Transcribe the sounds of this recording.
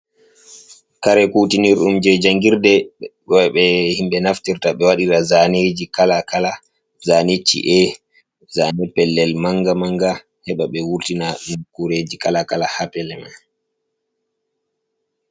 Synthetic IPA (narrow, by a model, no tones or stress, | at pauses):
kaɾɛkutiniɾɗumd͡ʒɛd͡ʒaŋɡiɾdɛkɔɛɓɛhimɓɛnaftiɾtaɓɛwaɗiɾazaned͡ʒikalakala | zanet͡ʃːḭʔɛ | zanɛpɛlːɛlmaŋɡamaŋɡa | hɛɓaɓɛwuɾtinanukuɾed͡ʒikalakalahapɛlɛma̰n